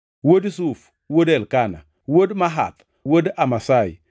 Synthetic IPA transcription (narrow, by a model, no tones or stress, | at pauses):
wodis̬uf | wodelkana̰ | wodmaɦa̰t̪ | wodamasaḭ